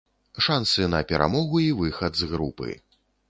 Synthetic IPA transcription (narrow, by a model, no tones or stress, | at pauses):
ʂansɨnɐpʲɛɾʔa̰mɔɣuivɨxɐd̪zɣɾupɨ̰